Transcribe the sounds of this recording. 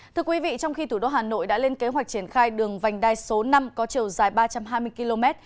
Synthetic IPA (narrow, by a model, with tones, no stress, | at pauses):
t̪ʰɨ˧əkwi˨˦vḭ˧˨t͡ɕɔ˧wŋ͡mxi˧t̪ʰu˧˩ɗo˧˩ɦaː˨˩no̰˧˨jɗa̰ː˧˥le˧nke˨˦ɦwa˨˩jk̟̚t͡ɕi˧˩ənxaː˧jɗɨ˨˩əŋva˨˩jŋ̟ɗaː˧˩jso˨˦na˧mkɔ˨˦t͡ɕi˨˩əwzaː˨˩jɓaː˧t͡ɕa˧mɦaː˧jmɨ˧əjki˧lo˧mɛ˦˥t̚